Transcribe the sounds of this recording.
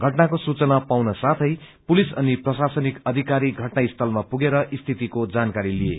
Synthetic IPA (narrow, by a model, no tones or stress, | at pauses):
ɡʱʌʈnakosut͡sʌnapawnʌsat̪ʰʌj | pulisʌniprʌsasʌnikʌd̪ʱikaɾiɡʱʌʈnaist̪ʰʌlmapuɡeɾʌʔist̪ʰit̪ikod͡zankaɾilijḛ